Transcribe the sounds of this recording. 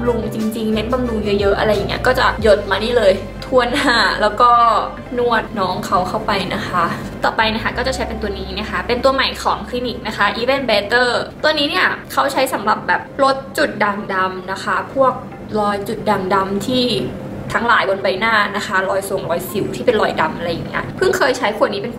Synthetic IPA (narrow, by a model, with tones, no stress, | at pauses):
mlu˧ŋt͡ɕi˧ŋt͡ɕi˧ŋne˦˥nba˧mlu˧ŋjɤ˦˥jɤ˦˥ʔa̰˧ɾa˧jːa˨˩ŋːni˦˥ɐkɔː˥˩t͡ɕa˨˩jo˨˩t̪̚maː˧niː˥˩lɤː˧j | t̪ʰu˧ənːaː˥˩lɛː˦˥wkɔː˥˩ | nu˥˩ət̪̚nɔː˦˥ŋkʰa˦˥wkʰa˥˩wpa˧jna˦˥kʰa˦˥ | t̪ɔː˨˩pa˧jna˦˥kʰa˥˩kɔː˥˩t͡ɕa˨˩t͡ɕʰa˦˥jpe˧nt̪u˧ɐniː˦˥na˥˩˨xʰa˦˥pe˧nt̪u˧ɐma˨˩jkʰɔː˩˦ŋkʰli˧˦˥ni˨˩k̚na˦˥kʰa˦˥ʔiː˧we˥˩nbɛː˧t̪ɤː˥˩t̪u˧əniː˦˥ni˥˩ɐkʰa˦˥wt͡ɕʰa˦˥jsa˩˦mɾa˨˩p̚bɛː˨˩p̚lo˦˥t̪̚t͡ɕu˨˩t̪̚da˨˩ŋda˧mna˦˥kʰa˦˥pʰu˥˩ək̚ | lɔː˧jt͡ɕu˨˩t̪̚da˨˩ŋda˧mt̪ʰiː˥˩ | t̪ʰa˦˥ŋlaː˨˩˦jbo˧nba˧jnaː˥˩na˦˥kʰa˦˥lɔː˧jso˨˩ŋlɔː˧jsi˨˩˦wt̪ʰiː˥˩pe˧nlɔː˧˩jda˧mʔa˧ɾa˧jːa˨˩ŋːi˦˥ɐpʰɯ˥˩ŋkʰɤː˧jt͡ɕʰa˦˥jkʰu˨˩niː˦˥pe˧n